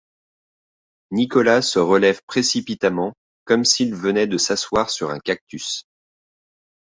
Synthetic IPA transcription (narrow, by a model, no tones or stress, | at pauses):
nikɔlasəʁəlɛvpχesipit̪amɑ̃ | kɔmsilvənɛd̪əsaswaʁsyʁɛ̰̃kak̚t̪ys